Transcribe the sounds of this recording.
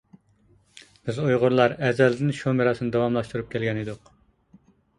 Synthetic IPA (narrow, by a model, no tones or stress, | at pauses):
b̥ɪzujʁʊɾlˠɑɾɛzɛld̪ɪnʃomeɾɑsɨnɨd̪ɑwɑmlˠɑʃt̪uɾup̚kʲɛlɡʲɛnɨd̪ʊq